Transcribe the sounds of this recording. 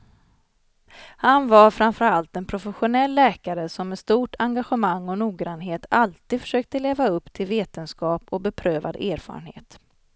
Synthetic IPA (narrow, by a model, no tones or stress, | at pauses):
hanvaɾfɾamfœɾalt̪ɛnpʰɾʊfɛɧʊnɛlːɛːkaɾəsɔmːɛst̪uːʈʰaŋɡaɧəmaŋːɔnuːɡɾanːɦeːt̪ʰalt̪iːd̪fœ̥ʂøːk̚t̪əleːvaɵpːt̪ʰɪlveːt̪ənskɑːpɔbɛpʰɾøːva̰d̪eːɾfɑ̰ːɾə̰nhḛːt̪